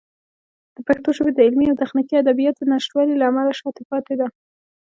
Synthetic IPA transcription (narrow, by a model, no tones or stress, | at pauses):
d̪̥əpakt̪oʃəbed̪əɪlmiawt̪axnikiad̪abijɑt̪̚d̪ənaʃʈwɑlilaːmalaʃɑt̪epɑt̪ed̪a